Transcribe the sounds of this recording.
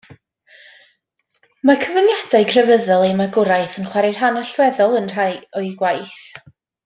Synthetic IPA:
makʰəvənjadaɨkʰrəvəðɔlˠemaɡʊɾajθənχwaɾɪr̥ɦanaɬwɛðɔlˠənr̥ajɔiɡwajθ

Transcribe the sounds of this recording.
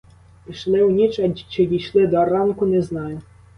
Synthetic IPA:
pʲiʃlˠɪwnʲit͡ʃɛt͡ʃɪjʲiʃlˠɪd̪ɔrɑnkʊnɛznɑjʊ

